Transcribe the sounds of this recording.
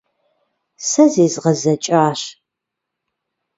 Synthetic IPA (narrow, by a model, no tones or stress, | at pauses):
sɐzeːzʁɐzɐt͡ʃʼaːɕ